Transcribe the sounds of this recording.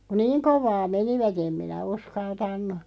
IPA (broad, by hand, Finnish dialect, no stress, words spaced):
ku niːŋ koʋˑɑː meniʋæt em minæ uskɑltɑnˑu